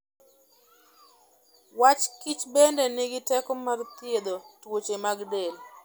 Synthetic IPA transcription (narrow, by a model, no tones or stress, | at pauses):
wat͡ʃkit͡ʃbendɛnɪɡɪtɛkɔmart̪jed̪otwot͡ʃemaɡdel